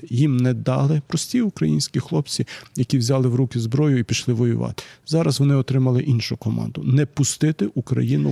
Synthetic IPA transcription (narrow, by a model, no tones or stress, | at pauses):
jimnɛd̪ɑ̰lˠɪpɾɔsʲtʲiʊkɾɐ̰jinʲsʲkʲixlˠɔp̚t͡sʲijɐkʲiwzʲɑlˠɪwɾukʲɪzbɾɔjʊipʲiʃlˠɪʋɔjʊ̰ʋɑ̰t̪ɪ̥zɑɾɐzʋɔnɪɔt̪ɾɪmɐlˠɪʔinʃʊkɔmɑ̰nd̪ʊnɛpʊst̪ɪt̪ɪʔukɾɐ̰jinʊ